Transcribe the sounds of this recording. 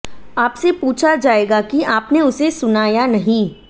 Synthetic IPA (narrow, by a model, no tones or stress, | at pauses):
aːpsepuːt͡ʃʰad͡ʒaːeːɡakiaːpneʊsesʊnaːjanɐɦĩ